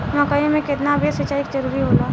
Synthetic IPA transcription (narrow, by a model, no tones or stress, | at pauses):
mɐkaːimẽkɪt̪nabʱesət͡ʃaːikd͡ʒɐɾuːɾiɦoːlaː